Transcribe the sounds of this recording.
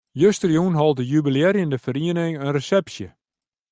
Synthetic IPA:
jøstərjunɦɔlˠdəjybileːɾjəndəfəɾiənɪŋənrəsɛpsjə

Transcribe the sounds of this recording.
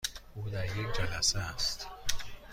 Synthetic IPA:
ʔuːd̪æɾjek̚ʰʲd͡ʒælæseæst̪

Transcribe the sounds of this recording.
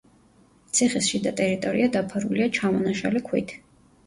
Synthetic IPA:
t̪sʰiχɛsʃid̪at̪ʼɛɾit̪ʼɔɾiad̪apʰaɾuliat͡ʃʰamɔnaʃa̰lɛkʰwḭt̪ʰ

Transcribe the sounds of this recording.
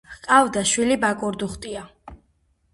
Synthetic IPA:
qʼavd̪aʃwilibakʼɔɾd̪uχt̪ʼia

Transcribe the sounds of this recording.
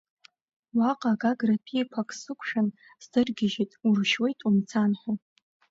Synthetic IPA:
waqʼaɡaɡrapʰiepʷʰakʰʼsɨkʷʰʼʂan | z̥dɨrɡʲɪʒitʼurʃwe̞jtʼumt͡sʰanħʲʷᶣo

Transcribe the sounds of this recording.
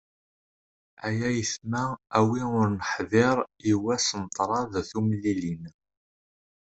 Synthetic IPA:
æjæjəθmææwiʊɾnəħðɪɾˤiwæsənt̪ˤːɾˤɑðθumlːilin

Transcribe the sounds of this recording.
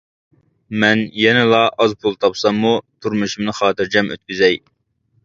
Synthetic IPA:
mɛnjɛnɪlˠɑʔɑzpʰulˠt̪ʰɑpsɑmːut̪ʰuɾmuʃumnɨχɑːt̪ɨɾd͡ʒɛmʔø̰t̪̚kʲyzɛj

